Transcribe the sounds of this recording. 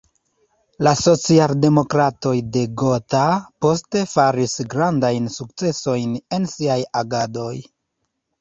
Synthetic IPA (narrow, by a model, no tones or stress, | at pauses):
laso̞t͡sialde̞mo̞kɾato̞jde̞ɡo̞tapo̞ste̞faɾisɡɾandajnsuk̚t͡se̞so̞jne̞nsiajaɡado̞j